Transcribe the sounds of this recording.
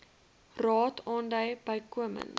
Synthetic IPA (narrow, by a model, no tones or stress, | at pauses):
rɑːtʰɑːndəjbəjkuəmə̰n